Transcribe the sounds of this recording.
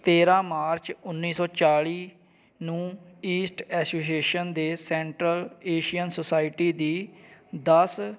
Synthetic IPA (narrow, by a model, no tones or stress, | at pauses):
t̪eːɾãːmaːɾt͡ʃʊnːiːsɔːt͡ʃaːɭiː | nũː | iːsʈɛːsoːs̬ieːʃənd̪eːsɛ̃ːɳʈɾəleːʃijənsoːsaːɪʈiːd̪iːd̪əs